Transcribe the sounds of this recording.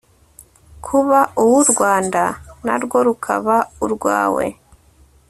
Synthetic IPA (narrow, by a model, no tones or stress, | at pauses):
kʰuβauwuɾɡwaːndanaɾɡwo̞ɾukʰa̰βauɾɡwa̰ːwe̞̰